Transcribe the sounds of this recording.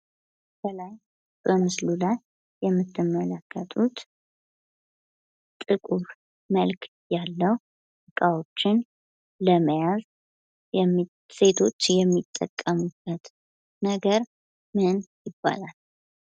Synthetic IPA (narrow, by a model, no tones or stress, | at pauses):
bəlaj | b̥əmɨslulajː | ɛmːɨt̪ʰːɨmːələkʰːət̪ʰʼut̪ | t̪ʼɨkʼuɾ | məlk | jalːəw | tɨkʼawo̞t͡ʃːɪn | ləməjaz | se̞t̪ʰo̞t͡ʃːjɛmːit̪ʼːə̰kʼːəmub̥ət̪ | nəɡəɾ | mɨnjɪbːa̰lal